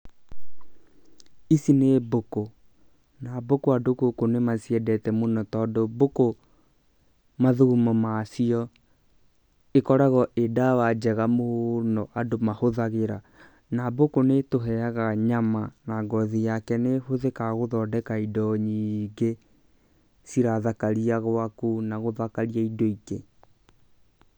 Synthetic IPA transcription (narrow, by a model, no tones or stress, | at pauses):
isineboko | nabokoadokokonemasiɛdɛtɛmonɔtɔdoboko | maðuɣumɔmasiɔ | ekɔɾaɣɔʔedawad͡ʒɛɣamonɔʔadomahoðaɣeɾa | nabokonetoɦɛaɣaɲamanaɡɔðijakɛnehoðekaɣoðɔdɛkaidɔɲiɡe | siɾaðakaɾiaɣwakunaɣoðakaɾiaidoike